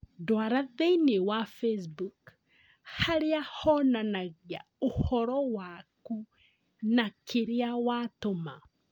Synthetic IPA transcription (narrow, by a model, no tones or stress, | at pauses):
dwaɾaðeinewafesbuk | haɾiahɔnanaɣja | ohɔɾɔwaku | nakʰiɾiawatoma